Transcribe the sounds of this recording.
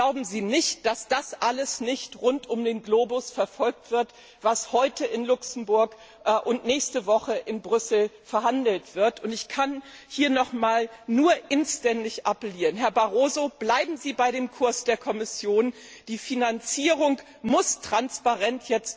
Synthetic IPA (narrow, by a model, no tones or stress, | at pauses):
ɡ̥laʊbm̩ziːnɪçt̚d̥asd̥asʔaləsnɪçtʁʊntʊmdeːnɡloːbʊsfɛɐfɔlk̚tv̥ɪɐt | v̥ashɔʏtəʔɪnlʊksm̩bʊɐk | ʔʔʊntnɛːçstəvɔχəʔɪnbʁʏsl̩fɛɐhandl̩tv̥ɪɐtʊntɪçkʰanhiːɐnɔχmaːlnuːɐʔɪnstɛndɪçʔapəliːʁənɦɛɐbaʁoːzob̥laɪbm̩ziːbaɪɾeːmkʰʊɐsd̥eːɐkʰɔmɪsjoːn | d̥iːfinant͡siːʁ̞ʊŋ | mʊstʁ̥anspaʁɛntʰjɛt͡st